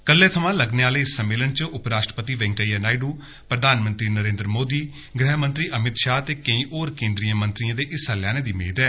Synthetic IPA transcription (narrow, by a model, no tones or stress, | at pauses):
kəlːeːt̪ʰəʋãːləɡneːaːleːɪsːəmːeːlənt͡ʃʊpɾaːʃʈɾəpət̪iːʋɛ̃ːŋkəiːnaːiɖuː | pɾəd̪ʱaːnmə̃nt̪ɾiːnəɾẽːnd̪ɾəmoːd̪iː | ɡɾɛːɦmə̃nt̪ɾiːʔəmɪt̪ʃaːt̪eːkə̃ĩːʔoːɾkẽːnd̪ɾijəmə̃nt̪ɾiãːd̪eːʔɪsəljãːneːd̪iːmeːd̪ɛː